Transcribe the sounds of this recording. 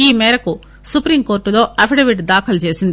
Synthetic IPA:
iːmɛːɾɐku | supɾimko̞ːɾʈːulo̞ːʔɐpʰiɖɐʋiʈd̪aːkʰɐlt͡ʃe̞ːsind̪i

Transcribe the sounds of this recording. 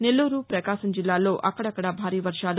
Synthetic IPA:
ne̞lːuːɾupɾɐkaːʃɐmd͡ʒilːaːlo̞ːʔɐkːɐɽɐkːɐɽɐbʱaːɾiːʋɐɾʂaːlu

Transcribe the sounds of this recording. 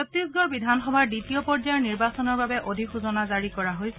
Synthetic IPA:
ɔtɹisɡɔɹbidʱanxɔbʱaɹditijɔpɔɹzajɔɹniɹbasɔnɔɹbabɛʔodʱikxʰuzɔnazaɹikɔɹaɦoj

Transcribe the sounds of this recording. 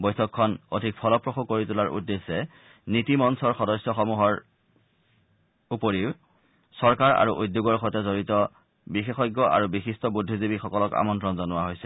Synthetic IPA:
bɔjtʰɔkʰːɔno̰dʱik̚pʰɔlɔpɹɔxukːoɹitulaɹʔṵdːesːɛ | nitimɔnsɔɹxɔdɔsjɔxɔmuɦɔɹ | upoɹiʊ | sɔɹkaɹa̰ɹuʔojdːjuɡɔɹxɔjtɔzoɹitɔ | bixexɔjɡːɔʔa̰ɹubixistɔbudʱːizibixɔkɔlɔka̰mɔntɹɔnzɔnʊwaɦojsɛ

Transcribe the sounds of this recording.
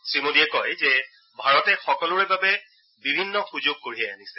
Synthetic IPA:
sɹimodiɛkɔjzɛ | bʱaɹɔtɛxɔkɔlʊɹɛbabɛ | bibʱinːɔxuzoɡ̚koɹiɦɛanisɛ̥

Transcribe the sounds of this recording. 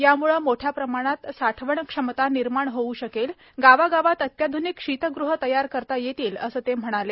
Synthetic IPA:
jamuɭəmoʈʰjapɾəmaɽ̃at̪saʈʰʋəɳkʂəmt̪aniɾmaɳɦouɕəkel | ɡaʋaɡaʋat̪ət̪jad̪ʱunikʂit̪əɡɾuɦət̪əjaɾkəɾt̪ajet̪iːlə̰səːt̪em̤əɽ̃ale

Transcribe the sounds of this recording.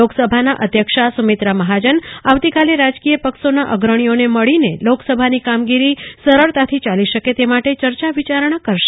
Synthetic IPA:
oksəbʱanaʔəd̪ʱjəkʃasumet̪ɾaməɦad͡ʒənaʋt̪ikaleɾad͡ʒkijəpəksonaʔəɡɾəɳ̃ijoneməɭineloksəbʱanikamɡiɾisəɾəɭt̪at̪ʰit͡ʃaliʃəket̪emaʈet͡ʃəɾt͡ʃaʋit͡ʃaɾɳ̃akəɾʃe̥

